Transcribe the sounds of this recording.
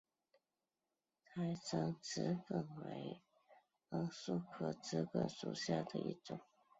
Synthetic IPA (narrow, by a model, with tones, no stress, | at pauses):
t̪ʰa˧˥ɪt͡sɑ˧˥ŋt͡sɹ̩˧˥kə˨˩ŋwḛ˧˥ɪ | ə˧˥ŋsu˥˩kʰɤ˨˩t͡sɹ̩˧˥kə˨˩nʂṵ˨˩ɕja˥˩d̪ə˨ʔḭ˥˩ʈ͡ʂʊ˨˩˦ŋ